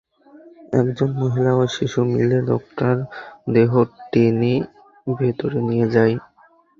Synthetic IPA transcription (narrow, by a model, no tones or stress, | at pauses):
ɛ̰kd͡ʑonmoɦilaojʃiʃumḭleɖɔ̰k̚ʈaɾd̪eɦoʈeni | bʱet̪oɾenijed͡ʑaj